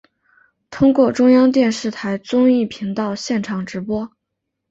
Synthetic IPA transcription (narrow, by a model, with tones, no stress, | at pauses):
t̪ʰʊ˥ŋkwɔ˥˩ʈ͡ʂʊ˥ŋjɑ˥ŋt̪jɛ˥˧nʂɻ̩˥˩t̪ʰa˧˥ɪt͡sʊ˥ŋi˥˩pʰi˧˥ŋt̪ɑ˥˧ʊɕjɛ˥˩nʈ͡ʂʰɑ˨˩ŋʈ͡ʂɻ̩˧˥pwɔ˥